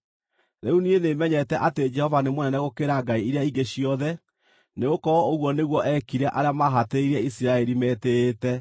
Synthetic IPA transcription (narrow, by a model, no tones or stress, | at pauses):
ɾeunienemɛɲɛtɛʔated͡ʒɛhɔvanemwnɛnɛɣokeɾaɡaiiɾeaiɡeɕiɔðɛ | neɣokɔɾɔoɣwɔneɣwɔʔɛkiɾɛʔaɾeamaɦateiɾɛisiɾaɛɾimɛtetɛ